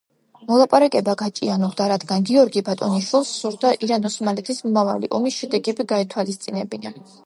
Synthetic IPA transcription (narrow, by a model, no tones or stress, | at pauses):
mɔlˠapʼaɾakʼɛbaɡat͡ʃʼḭanuʁd̪aɾad̪ɡanɡiɔɾɡibat̪ʼɔniʃwilˠsːuɾd̪aʔiɾanɔsmalit̪ʰismɔmava̰lḭʔɔmisʃɛd̪ɛɡɛbiɡait̪ʰwalist̪sʼinɛbina